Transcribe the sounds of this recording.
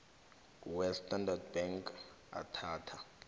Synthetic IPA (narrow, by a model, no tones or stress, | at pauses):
uwɛstʰʼandard̚bɛŋkʰ | a̰tʰaːtʰa